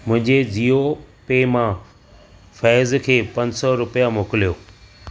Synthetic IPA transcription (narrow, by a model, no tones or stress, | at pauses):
mʊ̃ɦɪ̃ɲd͡ʑeziːopeːmã | fɛːzkʰeːpɐ̃ɲsɔɾʊpijamoːkɪlijoː